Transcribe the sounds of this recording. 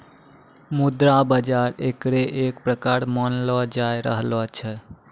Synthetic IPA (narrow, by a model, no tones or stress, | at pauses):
mud̪ɾabəd͡ʒaɾekɾeʔekpɾəkaɾmənlɔd͡ʒajɾəɦlɔt͡ʃʰɛ